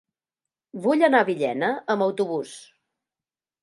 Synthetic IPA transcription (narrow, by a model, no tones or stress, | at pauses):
βuʎənaβiʎɛ̰nəəmbəwt̪uβus